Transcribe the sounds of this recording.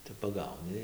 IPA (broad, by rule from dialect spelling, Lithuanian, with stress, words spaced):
tɐɪ pɐˈɡɐʊnʲɪ